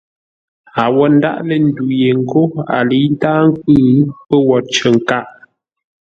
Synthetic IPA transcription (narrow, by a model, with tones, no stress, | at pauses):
a˨wɔ˨n̩˦da̰˦ʔlə˨n̩˦˨du˨je˨ŋ̩˦˨ko˦a̰˨li˨˦n˦taː˦ŋ̩˦k̚ɨː˦˨˦pə˦wɔ˨t͡ʃə˨ŋ˨ka˦ʔ